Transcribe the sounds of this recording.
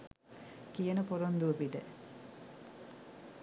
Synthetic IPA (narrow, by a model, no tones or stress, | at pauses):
kijənəpoɾond̪uəpiɖe